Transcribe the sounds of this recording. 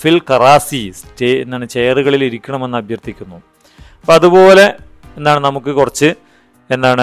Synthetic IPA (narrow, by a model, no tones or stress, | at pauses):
filkɐraːsiseenːaːɳɨt͡ɕejɐruɣɐɭiliɾikʲːɐɳɐme̞nːɨɐbʱjɐrt̪ikʲːunːu | ɐpːoɐðubo̞ːle̞ | enːaːɳɨnɐmukːɨkurɐt͡ɕːɨ | e̞nːaːɳɨ